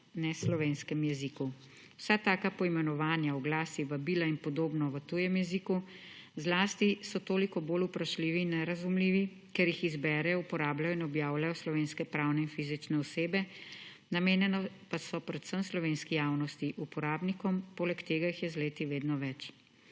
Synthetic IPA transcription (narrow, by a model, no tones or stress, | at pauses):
nɛslɔʋeːnskɛmjɛziku | sat̪aːkapɔimɛnɔʋaːnjawɡlaːsiʋabiːlainpɔd̪oːbnɔʋət̪uːjɛmjɛziku | zlaːst̪isɔt̪oːlikɔboːlupɾaʃliːʋiːnːɛɾazumliːʋi | kɛɾjixizbɛːɾɛjɔupɔɾaːblajɔinɔbjaːwlajɔslɔʋeːnskɛpɾawnɛinfizit͡ʃnɛɔseːbɛ | nameːnjɛnɔ | pasɔpɾɛt̪səmslɔʋeːnskijaːwnɔst̪iʔupɔɾaːbnikɔmpoːlɛkt̪eːɡajixjɛzleːt̪iʋeːd̪nɔʋɛt͡ʃ